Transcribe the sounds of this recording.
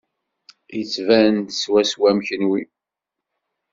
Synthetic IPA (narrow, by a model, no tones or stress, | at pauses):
jət͡sːvænt̪swæswæmçənwi